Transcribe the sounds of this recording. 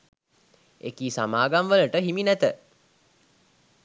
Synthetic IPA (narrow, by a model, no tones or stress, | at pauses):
ḛkiːsamaːɡamʋələʈəɦiminæt̪ə